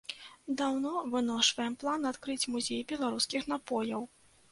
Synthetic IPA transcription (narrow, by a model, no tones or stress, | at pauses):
d̪awnɔvɨnɔʂvɐjɛmplˠanat̪kɾɨt͡sʲmuzʲejbʲɛlˠaɾuskʲixnapɔjɐw